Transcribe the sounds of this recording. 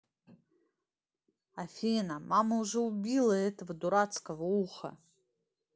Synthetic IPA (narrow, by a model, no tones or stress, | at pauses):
afʲenamamɐuʐɛubʲilˠɐɛtʰvduɾat͡skʼɐvuχɐ̰